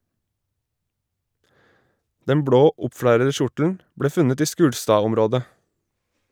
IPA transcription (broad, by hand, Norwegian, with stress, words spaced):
ˈdɛm ˈbɽoː ˈʊpˌfɽæɾə ˈʃʊʈl̩n̩ ˈbɽeː ˈfʉnət ˈiː ˈʃkʉːɽstɑːˌɔmɾoːdə